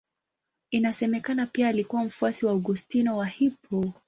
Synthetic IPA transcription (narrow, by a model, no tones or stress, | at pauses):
inasɛmɛkanapiaːlikuwam̩fuasiwauɡustinɔwahipʰɔ